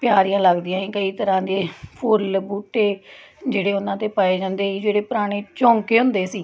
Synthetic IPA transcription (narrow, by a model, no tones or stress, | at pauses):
pjaːɾijãːləɡd̪ijãːĩːkəiːt̪əɾãːd̪eːpʰʊlbuːʈeːd͡ʒeːɽeːʊnãːt̪eːpaːeːd͡ʒãːnd̪eːiːd͡ʒeːɽeːpʊɾaːɽ̃eːt͡ʃɔ̃ːŋkeːɦʊ̃nd̪eːsiː